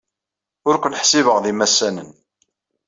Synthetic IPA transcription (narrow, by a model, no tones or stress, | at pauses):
ʊɾkʷənħsiβəʁðimæsːænən